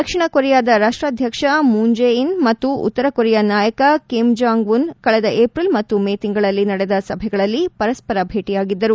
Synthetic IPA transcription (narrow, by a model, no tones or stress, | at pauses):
ɐkʂiɳɐkoɾɛjaːd̪ɐɾaːʂʈɾaːd̪ʱjɐkʂɐmuːɲd͡ʒejinmɐt̪ːuṵt̪ːɐɾɐkoɾɛjɐnaːjɐkɐkimd͡ʒaːŋɡʋunkɐɭɛd̪ɐʔeːpɾilmɐt̪ːumeːt̪iŋɡɐɭɐlːinɐɽɛd̪ɐsɐbʱɛɡɐɭɐlːipɐɾɐspɐɾɐbʱe̞ːʈijaːɡid̪ːɐɾu